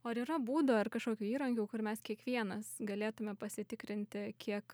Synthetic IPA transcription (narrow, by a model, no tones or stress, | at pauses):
oːɐɾiːɾɐbuːd̪oːɪrkɐʃkoːkʲuːiːɾɐŋʲɡʲuːkʊrmʲɛskʲiɛkʋʲiɛnɐsɡɐlʲeːt̪ʊmʲɛpɐsʲɪt̪ʲɪkɾʲɪnʲt̪ʲɪkʲiɛk